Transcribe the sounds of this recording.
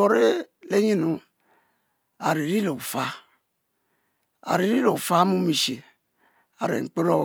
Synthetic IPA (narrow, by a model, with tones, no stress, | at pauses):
o˨ɾe˦ | le˦ɲi˦nu˨˦ | a˨ɾe˨ɾi˦lo˨fa˦ | a̰˨ɾe˨ɾi˦lo˨fa˦mũ˦mi˨ʃe˨ | a̰˨ɾḛ˨k͡pe˦ɾo˦